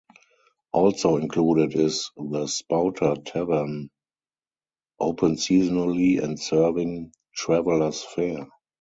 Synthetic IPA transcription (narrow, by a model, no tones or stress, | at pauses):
ʔɔlsoʊɪ̃nkʰluːɾɪtɪzðəspaʊtʰə˞tʰɛvə˞n | ʔoʊpʰə̃nsiːzɔnəliɛ̰̃ntsɜ˞vɪ̃ŋ | tʰɹɛvələ˞sfɛ